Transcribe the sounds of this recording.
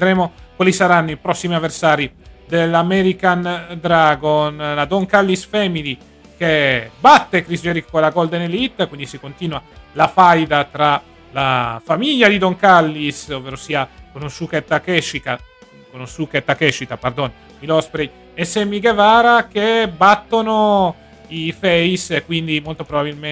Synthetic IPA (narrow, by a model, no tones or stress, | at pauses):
ved̪ɾɛːmokwalisaɾanːoipɾɔsːimiavːersaːɾid̪elːamɛɾikand̪ɾaːɡonlad̪ɔŋkalːisfɛmili | kebat̪ːekɾisd͡ʒɛɾikkolaɡɔld̪enelit̪ːkwind̪isikont̪iːnwalafajd̪at̪ɾa | la̰famiʎːad̪id̪oŋkalːisovːɛːɾosiːakonunsuket̪ːakɛʃːit̪a | konusukɛt̪ːakɛʃːit̪apard̪on | ilɔspɾej | esemːiɡevaːɾakebat̪ːono | ifɛjsekːwind̪imolt̪opɾobabilme